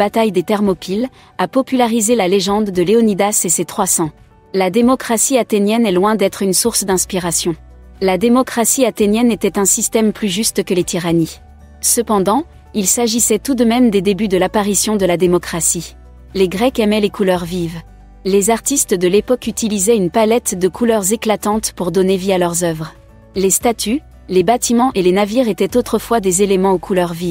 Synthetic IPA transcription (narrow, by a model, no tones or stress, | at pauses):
bat̪ajd̪et̪ɛʁmɔpil | apɔpylaʁizelaleʒɑ̃d̪ːəleɔnid̪aseset̪χwasɑ̃ | lad̪emɔkχasiat̪enjɛnɛlwɛ̃d̪ɛt̪χynsuʁsd̪ɛ̃spiʁasjɔ̃lad̪emɔkχasiat̪enjɛnet̪ɛt̪ɛ̃sist̪ɛmplyʒyst̪kəlet̪ʰiʁani | səpɑ̃d̪ɑ̃ | ilsaʒisɛt̪ud̪əmɛmd̪ed̪ebyd̪əlapaʁisjɔ̃d̪əlad̪emɔkχasi | leɡʁɛkɛmɛlekʰulœʁviv | lezaʁt̪ist̪d̪əlepɔkyt̪ilizɛynpalɛt̪d̪əkʰulœʁzeklat̪ɑ̃t̪puʁd̪ɔnevialœʁzœvʁ | lest̪at̪ʰy | lebat̪imɑ̃ʔelenaviʁet̪ɛt̪ot̪χəfwad̪ezelemɑ̃okʰulœʁvi